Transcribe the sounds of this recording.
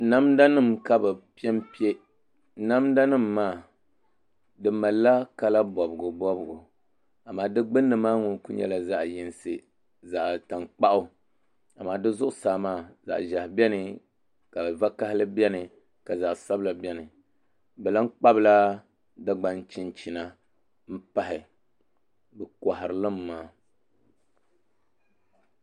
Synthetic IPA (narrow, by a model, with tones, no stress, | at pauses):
na˦mda˦nɨ˦mka˦bɛ˨pi˦ɛ˦mpi˦e˦ | na˦mda˦nɨ˦˨mːaː˦˨ | dɨ˨ma˨lːa˦ka˦la˦bɔ˨bɨ˨ɡʊ˨bɔ˦bʊ˨ɡʊ˨ | a˨maː˨dɨ˦ɡ͡bɨ˦nːɨ˨maː˦ŋu˨ku˦ɲɛ̰˦la˨za˦ʔji˨nsɨ˨ | za˨ʔta˨ŋk͡pa˦ʔʊ˦ | a˨maː˨dɨ˦zʊ˦ʔʊ˨saː˨maː˦˨za̰˨ʔʒa˨hbɛ˦nɨ˨ | ka˨bva˦ka˦hɪ˦lɨ˦bɛ˦nɨ˨ | ka˨za˨ʔsa˦bla˨bɛ˦nɨ˨ | bɛ˨la˦ŋ̩˦k͡pa˦bɨ˦la˦ | da˦ɡ͡ba˨nt͡ʃɪ˦nt͡ʃi˨na˦ | m̩˦pa˦ɦɪ˨ | bɨ˨kɔ˨ha˨ɾɨ˨lɨ˦mːaː˦